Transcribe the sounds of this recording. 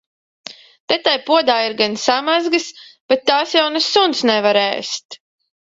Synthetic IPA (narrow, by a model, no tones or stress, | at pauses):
t̪ɛt̪ajpuɔd̪aːiɾɡansamazɡɨsb̥ɛt̪ːaːsjawnɛsːunsnɛvaɾɛ̰ːst̪